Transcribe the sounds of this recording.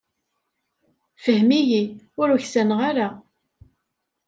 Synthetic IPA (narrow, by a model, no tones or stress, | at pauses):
fəhmijiʊɾʊçsænʁaɾa